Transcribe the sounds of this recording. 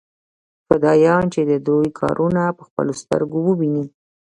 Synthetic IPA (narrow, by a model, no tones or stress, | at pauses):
fad̪ɑjɑnt͡ʃed̪əd̪ɾojkʰɑ̰ɾʔunapəxpə̰lost̪ə̰ɾɡowəbini